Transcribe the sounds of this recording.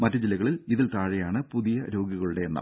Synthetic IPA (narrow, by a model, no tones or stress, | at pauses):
mɐtːɐd͡ʑilːɐɣɐɭiliðilt̪aːɻɐjaːɳɨpuðijɐɾo̞ːɡiɣɐɭuɽe̞ːnːɐ̰mm